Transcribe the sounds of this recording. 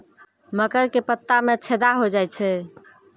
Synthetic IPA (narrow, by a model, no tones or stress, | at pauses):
məkəɾkepət̪ːamẽət͡ʃʰed̪aɦod͡ʒajt͡ʃʰɛ